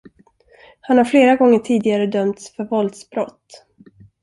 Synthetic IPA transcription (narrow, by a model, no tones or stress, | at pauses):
hanhaɾfleːɾaɡɔŋːəʈʰiːd̪ɪɡaɾəd̪œmt̪sfœɾvɔld̪sbɾɔt̪ː